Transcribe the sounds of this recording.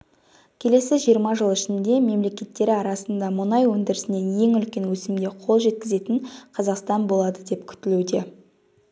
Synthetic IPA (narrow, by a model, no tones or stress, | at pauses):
kʲʰe̞le̞sɪʒijəɾmɑʒəlˠɪʃɪnd̪e̞me̞mle̞kʲe̞t̪ːe̞ɾɪɑɾɑsənd̪ɑmʊnɑjwɵnd̪ɪɾɪsɪne̞je̞ŋʏlkʲe̞nwɵsɪmd̪e̞qʰo̞lˠʒe̞t̪̚kʲɪze̞t̪ɪnqʰɑzɑqst̪ɑnbo̞lˠɑd̪əd̪e̞pkʲʰʏ̥t̪ɪlud̪e̞